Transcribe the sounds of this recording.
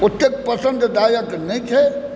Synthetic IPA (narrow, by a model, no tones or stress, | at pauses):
ut̪ːek̚pəsə̃nd̪d̪ajəknɛĩt͡ʃʰɛ